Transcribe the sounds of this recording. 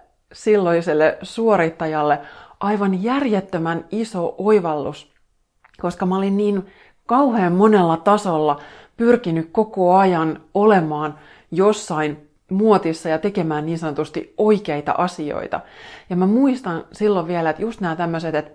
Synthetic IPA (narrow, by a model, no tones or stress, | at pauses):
silːoiselːesuoɾit̪ːɑjɑlːeʔɑiʋɑnjærjet̪ːømænisoʔoiʋɑlːus | ko̞skɑmæolinniːn | kɑuheːmmonelːɑt̪ɑsolːɑ | pyrkinykko̞koɑjɑnolemɑːn | josːɑin | muot̪isːɑjɑt̪ekemæːnniːnsɑnot̪ust̪ioikeit̪ɑ̰ʔɑsio̰it̪ɑ̰jɑmæmuist̪ɑnsilːoʋʋielæet̪just̪næːt̪æmːøset̪et̪